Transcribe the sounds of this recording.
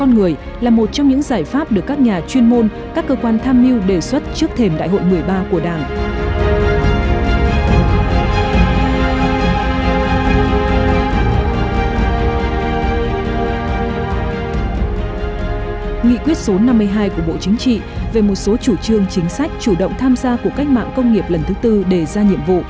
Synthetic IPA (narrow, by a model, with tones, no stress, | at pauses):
kɔ˧nŋɨ˨˩əj | laː˨˩mo˨˩t̚t͡ɕɔ˧wŋ͡mɲɨ̰˧˥ŋzaː˧˩jfaː˦˥p̚ɗɨ˨˩əkːaː˦˥k̚ɲaː˨˩t͡ɕwi˧ənmo˧n | kaː˦˥kːəː˧kwaː˧nt̪ʰaː˧mːi˧wɗe˨˩swə˦˥t̚t͡ɕɨ˦˥ək̚t̪ʰe˨˩mɗa̰ː˧˨jɦo̰˧˨jmɨ˨˩əjɓaː˧ku˧˩əɗaː˧˩ŋ˧ | ŋḭ˧˨kwi˦˥ət̚so˨˦na˧mːɨ˧əjɦaː˧jku˧˩əɓo̰˧˨t͡ɕi˨˦ŋ̟t͡ɕḭ˧˨ve˨˩mo˨˩t̚so˨˦t͡ɕu˧˩t͡ɕɨ˧əŋt͡ɕï˨˦ŋ̟sa˦˥jk̟̚t͡ɕu˧˩ɗə̰˧˨wŋ͡mt̪ʰaː˧mzaː˧ku˧˩əka˦˥jk̟̚ma̰ː˧˨ŋkə˧wŋ͡mŋi˨˩əp̚lə˨˩nt̪ʰɨ˨˦t̪ɨ˧ɗe˧˩zaː˧ɲḭ˧˨əmvṵ˧˨